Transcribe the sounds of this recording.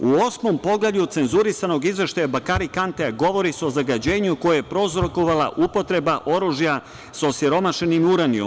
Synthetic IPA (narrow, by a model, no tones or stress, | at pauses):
uo̞smo̞mpo̞ɡlaɲut̪se̞nzuɾisano̞ɡizʋe̞ʃt̪ajabakaɾikant̪eɡo̞ʋo̞ɾiseo̞zaɡad͡ʑe̞ːɲuko̞jajepɾo̞zɾoko̞ʋala̰ʔupo̞t̪ɾe̞baʔo̞ɾuʒja | sosiɾo̞maʃe̞nimuɾanio̰m